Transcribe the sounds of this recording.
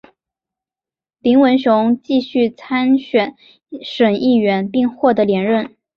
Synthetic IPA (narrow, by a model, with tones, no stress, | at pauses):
pi˧˥ŋwə˧˥nɕjʊ˧˥ŋt͡ɕi˥˧ɕy˥˩t͡sʰa˥nɕɥɛ˨˩˦n | ʂə˨˩ni˥˩ɥɛ˧˥npi˥˧ŋxwɔ˥˩d̪ə˧˥ljɛ˧˥nɻə˥˩n